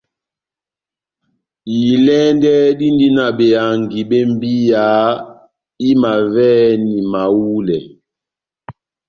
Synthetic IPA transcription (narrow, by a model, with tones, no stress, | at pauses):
i˨lɛ˦ndɛ˦di˦ndi˦na˨ɓe˨a˨ŋɡi˨ɓe˦m˦bi˦ja˨˦ | i˦ma˨vɛ˦ni˨ma˨wu˦lɛ˨